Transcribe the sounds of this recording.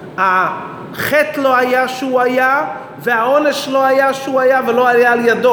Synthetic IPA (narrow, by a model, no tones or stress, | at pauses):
ha | χet̪lo̞ajaʃuaja | veaoneʃlo̞ajaʃeuajavelo̞ajaːljad̪o